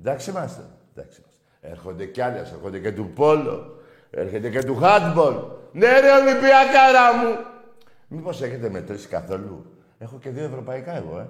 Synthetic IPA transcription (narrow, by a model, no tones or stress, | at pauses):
d̪aksimase | d̪a̰ksi̥mas | eɾxod̪ekalaseɾxod̪eket̪upolo̰ | ḛɾxet̪eket̪̬uxat̪bolneɾeonipiakaɾamu | miposeket̪emet̪ɾiskaθolṵ | exokeðioevɾopajkajɣoe